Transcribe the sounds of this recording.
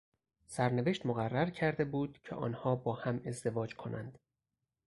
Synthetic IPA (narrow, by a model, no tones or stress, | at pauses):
sæɾne̞ve̞ʃt̪moɣærːæɾcʰæɾd̪e̞buːd̪̥cʲʰḛʔɒ̰ːnhɒːbɒːhæme̞zd̪e̞vɒːd͡ʒkʰo̞nʔæ̰nd̪̥